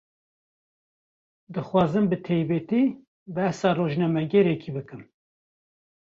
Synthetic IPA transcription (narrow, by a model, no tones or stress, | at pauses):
d̪ɨxwɑːzɨmbɨt̪ʰejbɛt̪iː | bæhsɑːroːʒnɛmɛɡɛɾɛkʰibɨkɨm